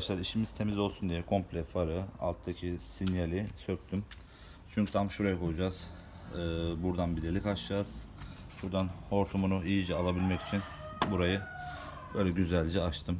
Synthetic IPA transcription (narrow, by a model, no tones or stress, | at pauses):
ʃlˠaɾiʃimiz̥t̪ʰe̞mizo̞lˠsund̪ijɛkʰo̞mplʲɛfaɾɯa̰lˠt̪ʰd̪acʰisinjalʲisøk̚t̪ʰym | t͡ʃʰyɲʲcʰyt̪ʰamʃuɾajakʰo̞lˠud͡ʒaːz̥ | ɯːbuɾd̪anbilʲiɾlʲikaʃd͡ʒaːz̥ʃuɾd̪anho̞ɾt̪ʰumunuijid͡ʒɛalˠabilʲmɛci̥t͡ʃʰin | buɾajɯ | bø̞ːjlʲɛɟyzælʲd͡ʒɛat͡ʃt̪ʰɯm